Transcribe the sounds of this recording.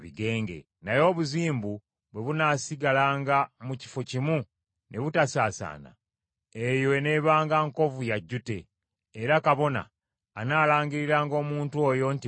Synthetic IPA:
βiɡe̞ːŋɡe̞̰ | najo̞ːβuziːmbu | βwe̞βunaːsiɡalaːŋɡamuci̥fo̞cimu | nʔe̞βutasaːsa̰ːna̰ | ejone̞βaːŋɡaŋko̞vujaɟːute̞ː | ɾakaβo̞na̰ː | naːlaːɲɡiɾiɾaːŋɡo̞ːmuːntuo̞ːjo̞nti

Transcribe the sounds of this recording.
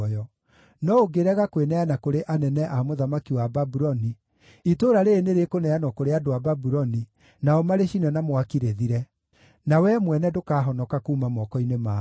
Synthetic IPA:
jɔ | nɔoɡeɾɛɣakwenɛanakoɾeʔanɛnɛʔamoðamakiwababuɾɔni | itoɾaɾeːneɾekonɛanɔkoɾeadoababuɾɔni | naɔmaɾeʃinɛnamwakiɾeðiɾɛ | nawɛmwɛnɛdokaːɦɔnɔkakuːmamɔkɔinema

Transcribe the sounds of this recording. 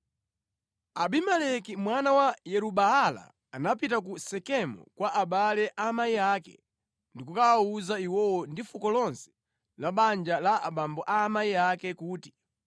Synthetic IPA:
aɓimɛlɛkimwanawajɛɾuɓaala̰ː | napitakusɛkɛmɔ̰kwaʔaɓalɛʔaːmaiaːkɛ̰ | ndikukaauzaiwɔwɔndifukɔlɔnsɛ̥ | laɓand͡ʒalaa̰ɓambɔʔaːmaiakɛkuːti̥

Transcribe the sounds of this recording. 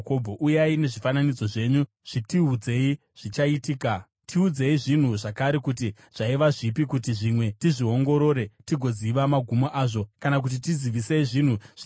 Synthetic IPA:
kobʱoʔujaine̞ʐifananid͡zo̞ʐe̞ɲu | ʐ̥itiud͡ze̞i | ʐ̥it͡ʃaitiːka | tʰiud͡ze̞iʐin̤uʐakaɾekuti | ʐ̥aiʋaʐipikut̬iʐimwe̞tiʐio̞ŋɡo̞ɾo̞ːɾe̞tiɡʱo̞d͡ziʋamaɡʱumoʔaːʐo̞kanak̬ut̬itid͡ziʋiseiʐin̤uʐ̥

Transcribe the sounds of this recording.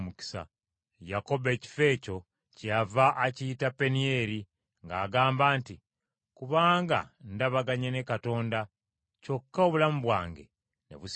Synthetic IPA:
muki̥sa̰ | jako̞be̞ːci̥fe̞ːco̞ | cavaʔacitape̞nie̞ɾi | ŋɡa̰ːɡaːmbaːnti | kuβaːŋɡa̰ndaβaɡaɲene̞kato̞ːnda | co̞kːaoβulamuβwa̰ːŋɡe̞̰ | nḛβus

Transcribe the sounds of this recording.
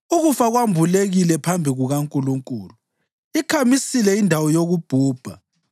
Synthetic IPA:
uɣufaɣwambʱuleɣilɛpʰambʱiɣuɣaŋkʼuluŋkʼuːluu | ikʰamisilɛindʱawɔjoɣub̥ʱuːb̥ʱa

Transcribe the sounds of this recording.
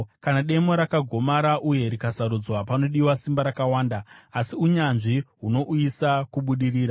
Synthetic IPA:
kanaɗe̞mo̞ɾakaɡʱo̞maɾaʔuje̞ɾikasaɾud͡zwapano̞ɗiwasimbaɾakawaːndaːsiuɲanʐiɦuno̞ʔujisakuɓuɗiriːɾa

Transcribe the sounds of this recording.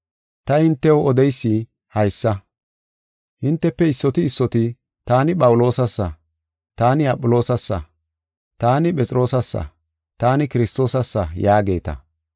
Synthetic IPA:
t̪ɐhɪnt̪ːɛwɔd̪ɛjsːɪ | hɐjsːɐ | hɪnt̪ːɛpːɛɪsːɔt̪ɪːsːɔt̪ɪ | t̪aːnɪpʼɐwʊlo̞ːsɐsːɐ | t̪aːnɪɐpʼːʊlo̞ːsɐsːɐ̰ | t̪aːnɪpʼɛt͡sʼɾo̞ːsɐsːɐ̰ | t̪aːnɪkɪɾɪst̪o̞ːsɐsːɐjaːɡe̞̰ːt̪ɐ̰

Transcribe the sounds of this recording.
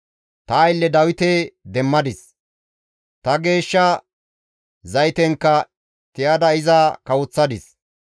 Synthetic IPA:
t̪ɐːjlːɛd̪ɐwɪt̪eːd̪ɛmːɐd̪ɪs | t̪ɐɡe̞ːʃːɐ | zɐjt̪ɛŋkːɐ | t̪ɪjɐd̪ɐɪzɐkɐwʊt͡sːɐd̪ɪs

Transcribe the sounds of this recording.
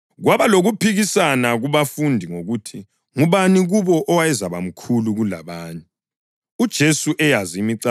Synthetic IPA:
ɣwaβaloɣupʰiɣisanaɣuβafundʱiŋoɣutʰi | ŋuβaniɣuβɔʔɔwajɛzaβa̰m̩kʰuluɣula̰βaːɲɛ | ud̥ʒ̥ʱesuʔɛjazimiǀa

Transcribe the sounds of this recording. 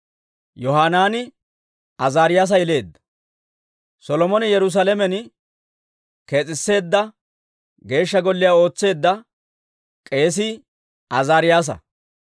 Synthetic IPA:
jɔɦaːnaːnɪ | ɐzaːɾɪjaːs̬ɐjɛle̞ːd̪ːɐ̥ | sɔlɔmɔnɪjɛɾʊs̬alɛmɛn | ke̞ːt͡sʼɪsːe̞ːd̪ːɐ | ɡe̞ːʃːɐɡɔlːɪjaːo̞ːt͡sːe̞ːd̪ːɐ | kʼe̞ːs̬i | ɐzaːɾɪjaːs̬ɐ̰

